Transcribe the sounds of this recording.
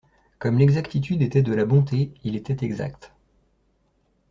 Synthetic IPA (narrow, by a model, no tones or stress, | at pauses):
kɔmlɛɡzakt̪it̪yd̪et̪ɛd̪əlabɔ̃t̪eilet̪ɛt̪ɛɡza̰kt̪